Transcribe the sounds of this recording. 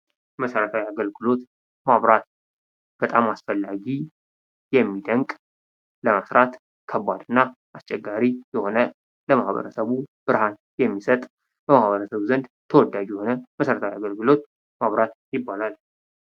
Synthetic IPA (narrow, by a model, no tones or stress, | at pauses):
məsəɾət̪ʰawiaɡəlɡɨlo̞t̪ | maβɾat̪ | b̥ət̪ʼamasfəlːaɡi | jɛmːid̪əŋkʼ | ləməsɾat̪ | kʰəbːad̪ɨnːa | ʔast͡ʃʼːɛɡːaɾijɛho̞nə | ləmahβə̰ɾəsəβub̥ɨɾhan | jɛmːisət̪ʼ | b̥əmahβəɾəsəβzənd̪t̪ʰəwɔd̪ːad͡ʒjɛho̞nəməsəɾət̪ʰawiaɡəlɡɨlo̞t̪̚ | maβɾat̪jɪbːalal